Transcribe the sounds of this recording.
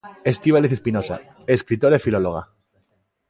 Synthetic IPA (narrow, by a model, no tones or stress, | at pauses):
est̪iβaliθespinosa̰ | eskɾit̪oɾaefiloloɣ̞a̰